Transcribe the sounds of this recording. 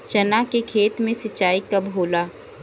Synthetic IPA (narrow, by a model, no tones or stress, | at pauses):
t͡ʃɐnakekʰeːt̪mẽsɐt͡ʃːaːikɐbʱɦoːlaː